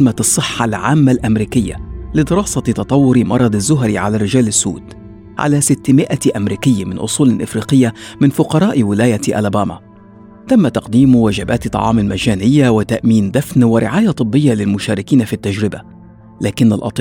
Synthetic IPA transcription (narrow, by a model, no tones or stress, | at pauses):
masˤːɨħːalʕaːmːalʔamɾiːkɪjːa̰lɪd̪ɪɾɑːsɑt̪ɑt̪ˤɑwːʊɾmɑɾˤɑd̪ˤazːʊɦɾiʕalaːrːɪd͡ʒaːlɪsːṵːd̪ | ʕa̰laːsɪt̪ːɪmɪʔat̪ʔamɾiːkɪjːamɪnʔʊ̰sˤuːlɪlʔɪ̰fɾiːqɪjːamɪnfʊqɑɾˤɑːʔwɪlaːjat̪ʔa̰lbaːma̰ | t̪amːat̪ɑqd̪iːmwad͡ʒɪbaːt̪t̪ˤːɑ̰ʕɑ̰ːmɪlmaʒaːnɪjːawɪt̪aʔmiːnd̪afnwɪɾʔɪ̰ʕaːjat̪ˤɨbːɪjːalɪlmʊʃaːɾɪkiːnafit̪ːad͡ʒɾɪba̰ | laːkɪnːa̰lʔɑ̰t̪ˤ